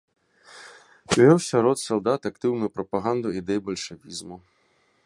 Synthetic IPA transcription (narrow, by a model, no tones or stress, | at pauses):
ʒjʲɔwsʲaɾɔt̪sɐlˠd̪at̪akt̪ɨwnʊjupɾɔpaɣand̪uid̪ɛjbɐlʲʂɐvʲizmu